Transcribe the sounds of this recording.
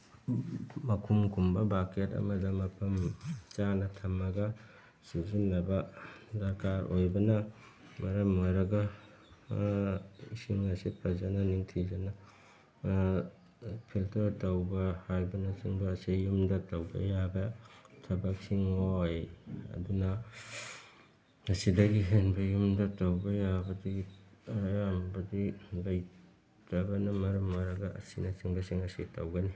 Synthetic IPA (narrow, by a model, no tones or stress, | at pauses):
mɐkʰumkʰumbɐbaketɐ̰mɐdɐmɐpʰɐmt͡ʃanɐtʰɐmːɐɡɐ | suzinlɐbɐdɐɾkaɾojbɐnɐ | mɐɾɐmojɾɐɡɐ | ḭsiŋɐsipʰɐzɐnɐniŋtʰizɐnɐ | pʰiltɐɾtɐwbɐhajbɐnɐt͡ʃiŋbɐːsijumdɐtɐwbɐ̰jabɐtʰɐbɐk̚siŋojɐ̰dunɐ | ŋɐsidɐɡiɦenbɐjumdɐtɐwbɐjabɐdi | jambɐdiɡɐj | tɐbɐnɐmɐɾɐmːɐɾɐɡɐʔɐ̰sinɐt͡ʃiŋbɐsiŋɐsitɐ̰wɡɐni